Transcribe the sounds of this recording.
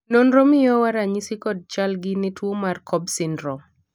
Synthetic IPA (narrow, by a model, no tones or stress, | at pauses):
nonɾomɪjɔwaɾaɲisikɔd̚t͡ʃalɡɪnɪtwomarkʰɔbsɪndɾɔ